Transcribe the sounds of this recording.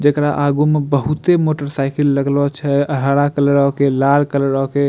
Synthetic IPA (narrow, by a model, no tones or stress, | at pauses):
d͡ʒəkɾaʔaɡumebəɦut̪emoʈəɾsaɪkəlːəɡlɔt͡ʃʰɛəɾ̤aɽakələɾəɦkelalkələɾɾəɦke